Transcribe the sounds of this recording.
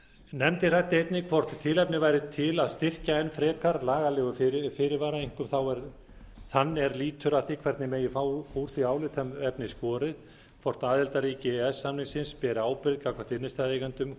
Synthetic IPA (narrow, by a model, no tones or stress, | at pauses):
nɛmt̪ɪrajt̪ːɪejt̪nɪkʰvɔr̥t̪t̪ʰɪlɛpnɪvajɾɪt̪ʰɪlaðst̪ɪr̥caɛnfɾɛːkaɾlaːɣalɛːɣʏfɪɾfɪːɾɪvaːɾaiŋ̥kʏmθawɛɾ | θanːɛɾliːt̪ʰʏɾaθikʰvɛɾt̪nɪmeːjɪfaːwuɾ̥θiaːwlɪt̪ʰœmɛpnɪskɔːɾɪð | kʰvɔr̥t̪naːðɛlt̪aɾiːcɪɛsːamnɪŋsɪnspɛːɾɪaːwpɪɾðkaːkvḁɾ̥t̪ɪnːɪst̪aːðejkant̪ʏm